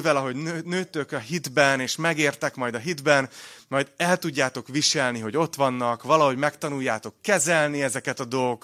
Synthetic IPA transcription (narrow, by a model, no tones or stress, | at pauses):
vɛlɒɦo̞ɟnøːt̪ːøkɒɦid̪bɛneːʃmɛɡeːrt̪ɛkmɒjd̪ɒɦid̪bɛnmɒjd̪ɛlt̪uɟːaːt̪o̞kʋiʃɛlniɦo̞ɟo̞t̪ʋɒnːɒkʋɒlɒɦo̞ɟmɛkt̪ɒnujːaːt̪o̞kːɛzɛlniɛzɛkɛt̪ɒd̪o̞lɡok